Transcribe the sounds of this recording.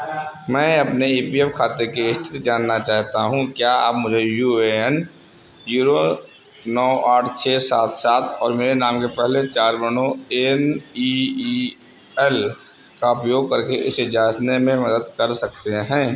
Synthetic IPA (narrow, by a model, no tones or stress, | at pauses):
mɛ̃ːɐpneiːpiefkʰaːt̪ekeɪst̪ʰɪ̥t̪d͡ʒaːnːat͡ʃaːɦt̪aɦũkjaa̰ːpmʊd͡ʒʱejuːeɛn | ziːɾo | nɔːʔaːʈʰt͡ʃʰeːsaːt̪ʰsaːt̪ʰɔːɾmeːɾenaːmkepɛɦlet͡ʃaːɾbənõeni | ɛl | kaʊpjoːɡ̚kɐɾkeʔɪsd͡ʒaːt͡ʃnemẽmɐd̪əd̪kɐɾsɐk̚t̪eɦɛ̃ː